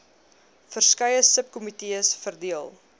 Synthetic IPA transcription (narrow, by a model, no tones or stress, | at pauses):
fərskɐjəsəp̚kɔmitiəsfərdiəlˠ